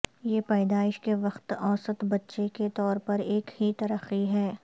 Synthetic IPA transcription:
jeːpɛːd̪aːɪʃkeʋɐxt̪ɔːsət̪bɐtːʃeket̪ɔːɾpɐɾeːkhit̪ɐɾəxiɦɛː

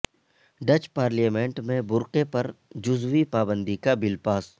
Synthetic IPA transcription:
ɖɐt͡ʃpaːɾlijaːmẽːɳʈmẽbʊɾqepɐɾd͡ʒʊzwipaːbə̃nd̪ikabɪlpaːs

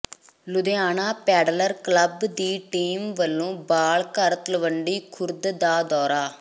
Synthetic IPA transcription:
lʊd̪eːaːnaːpɛːɖləɾkləbd̪iːʈiːmʋəlːõːbaːlkəɾt̪ləʋəɳɖiːkʰʊɾd̪d̪aːd̪ɔːɾaː

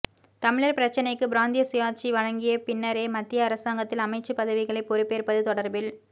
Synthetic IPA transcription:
t̪ɐmɪɻɐɾpɪɾɐt͡ʃːɐnɐɪkːɯbɪɾaːnd̪ɪjɐsɪjaːt͡ʃːiʋɐɻɐŋɡɪjɐpɪnːɐɾeːmɐt̪ːɪjɐːɾɐsaːŋɡɐt̪ːɪlɐmɐɪt͡ʃːɯpɐðɐʋɪɣɐɭɐɪpːɔɾɪpːeːɾpɐðɯt̪ɔɽɐɾbɪl

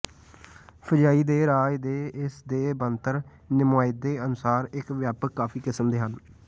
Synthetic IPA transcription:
pʰəd͡ʒaːiːd̪eːɾaːjd̪eːɪsd̪eːbənt̪əɾ | nɪmaːjɪd̪eːənʊsaːɾɪkʋjaːpəkːaːpʰiːkɪsəmd̪eːɦən

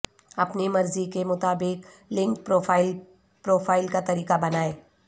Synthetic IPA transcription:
ɐpnimɐɾzikemʊt̪aːbɪk | lɪ̃ŋk̚pɾoːfʰaːɪl | pɾoːfʰaːɪlkat̪ɐɾiːkabɐnaːeː

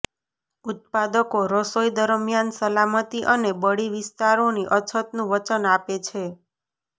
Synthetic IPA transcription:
ut̪̚pad̪əkoɾəsojd̪əɾmjansəlamət̪iʔənebəɽiʋɪst̪aɾoniʔət͡ʃʰət̪nũʋət͡ʃənapet͡ʃʰe

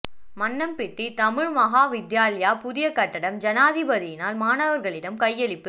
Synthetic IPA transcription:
mɐnːɐmpɪʈːit̪ɐmɪɻmɐɣaːʋɪd̪jaːlɪjaːpʊðɪjɐkːɐʈːɐɽɐmd͡ʒɐnaːðɪbɐðɪjɪnaːlmaːnɐʋɐɾɣɐɭɪɽɐmkɐjːɛlɪpːɯ

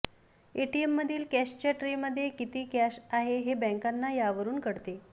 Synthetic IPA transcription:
eʈiemːəd̪ʱːiːlkæɕt͡ɕaʈɾiməd̪ʱːjekit̪iːkæɕaɦeɦebɛ̃ŋkanːajaʋəɾuːnkəɽt̪e

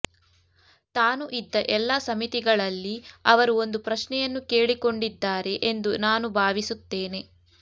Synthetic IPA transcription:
t̪aːnuʔid̪ːɐʔɛlːasɐmit̪iɡɐɭɐlːiɐʋɐɾuo̞nd̪upɾɐʃnɛjɐnːukeːɭiko̞ɳɖid̪ːaːɾe̞ʔend̪unaːnubʱaːʋisut̪ːeːne̞

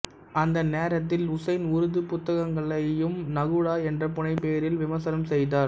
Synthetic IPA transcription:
ɐnd̪ɐneːɾɐt̪̬ːɪlʊsɐɪnʊɾʊðɯpʊt̪ːɐɣɐŋɡɐɭɐjɯmnɐɣɯɽaːɛndrɐpʊɳɐɪpːeːɾɪlʋɪmɐsɐɾɐmsɛjðaːɾ

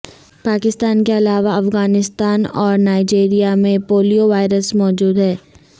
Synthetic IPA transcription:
paːkɪst̪aːnkeɐlaːʋaɐfɣaːnɪst̪aːnɔːɾnaːɪd͡ʒeːɾijamẽpoːlijoʋaːɪɾəsmɔːd͡ʒuːd̪ɦɛː

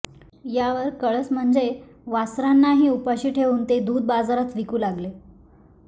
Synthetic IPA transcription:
jaʋəɾkəɭət͡sm̤əɳd͡zeʋasɾanːaɦiːupaɕiːʈʰeʋuːnt̪ed̪uːd̪̚bad͡zaɾat͡sʋikuːlaɡle

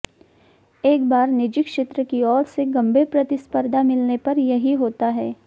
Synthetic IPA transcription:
eːkbaːɾnɪd͡ʒɪkʃeːt̪ɾəkiɔːɾseɡɐ̃mbʱepɾɐt̪ɪspəɾd̪ʱamɪlnepɐɾjɐɦiɦoːt̪aɦɛː

